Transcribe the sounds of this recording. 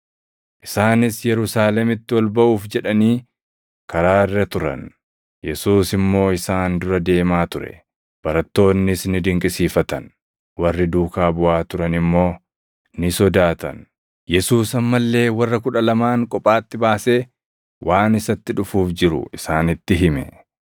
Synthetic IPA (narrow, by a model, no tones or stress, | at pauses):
ʔɪsaːnɪsjɛɾʊsaːlɛmɪt̪ːɪwɐlbɐʔuːfd͡ʒɛᶑɐniː | kɐɾaːɪrːɐt̪ʊɾɐ̰n | jɛsuːsɪmːo̞ːɪsaːnd̪ʊɾɐd̪e̞ːmaːt̪ʊɾɛ̰ | b̥ɐɾɐt̪ːo̞ːnːɪsnɪd̪ɪŋkʼɪsiːfɐt̪ɐn | wɐrːɪd̪uːkaːbʊʔaːt̪ʊɾɐnɪmːo̞ː | nɪsɔd̪aːt̪ɐ̰n | jɛsuːsɐmːɐlːe̞ːwɐrːɐkʊᶑɐlɐmaːŋkʼɔpʼːaːt̪ːɪbaːse̞ː | wʔaːnɪsɐt̪ːɪᶑʊfuːfd͡ʒɪɾʊ̰ɪsaːnɪt̪ːɪɦɪmɛ̰